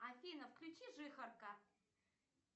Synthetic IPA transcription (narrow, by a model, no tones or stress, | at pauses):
afʲinɐfklʲut͡ʃiʐɨxɐrka